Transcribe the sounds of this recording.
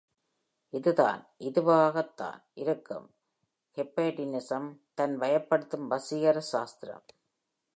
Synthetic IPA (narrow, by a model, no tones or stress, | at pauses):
ʔɪðɯða̰ːnʔɪðɯʋaːɣɐt̪ːa̰ːnʔɪɾɯkːɐ̰m | hɛpːeːʈɪnɪsɐmt̪ɐnʋɐjɐpːɐɽɯt̪ːɯmʋɐsɪɣɐɾɐʃaːst̪ɪɾɐ̰m